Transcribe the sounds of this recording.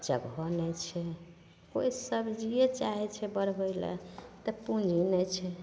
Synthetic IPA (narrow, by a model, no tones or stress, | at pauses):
d͡ʒəɡʱɔnɛt͡ʃʰɛ | koisəbʱd͡ʒiet͡ʃaɦɛt͡ʃʰɛbəɾbəɪlḛt̪əpũd͡ʒʱinɛt͡ʃʰɛ